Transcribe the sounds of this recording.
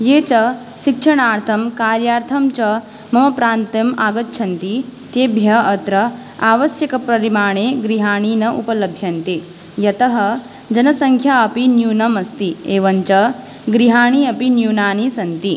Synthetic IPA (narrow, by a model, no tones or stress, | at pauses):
jeːt͡ʃɐ | ʃikʂɐɳaːɾt̪ʰɐmkaːɾjaːɾt̪ʰɐmt͡ʃɐ | mɐmɐpɾaːnt̪ɐmaːɡɐt̪ːt͡ʃʰɐnt̪it̪eːbʱjɐːt̪ɾɐ | aːʋɐʃjɐkɐpɾɐɾimaːɳ̃eːɡɾiɦaːɳ̃iːnɐʔṵpɐlɐbʱjɐnt̪eː | jɐt̪ɐɦɐ̆ | d͡ʒɐnɐsɐŋkʰjaːɐpinjuːnɐmɐst̪ieːʋɐɲt͡ʃɐ | ɡɾiɦaːɳ̃iɐpinjuːnaːnisɐnt̪i